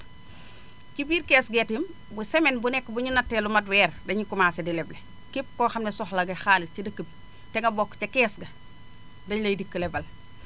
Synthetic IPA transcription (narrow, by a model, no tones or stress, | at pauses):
cibiːɾkɛːsɡɛtim | busɛmɛnbunɛkːbuɲunɐtːɛlumɐt̬wɛːɾdɐɲikumaːsɛdilɛble | kip̚kɔxɐmnɛsɔxlɐɡɐxaːliscidɐkːəbi | tɛŋɡɐbɔkːcɐkɛːsɡɐ | dɐɲlɐjdikːəlɛbɐl